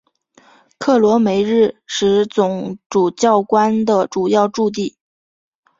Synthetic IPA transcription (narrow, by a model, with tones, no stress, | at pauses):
kʰɤ˥˩lwɔ˧˥me˧˥ɪɻɻ̩˥˩ʂɻ̩˧˥t͡sʊ˨˩ŋʈ͡ʂu˨˩t͡ɕjɑ˥˩ʊkwa˥nd̪ə˨ʈ͡ʂu˨˩jɑ˥˧ʊʈ͡ʂu˥˧t̪̬i˥˩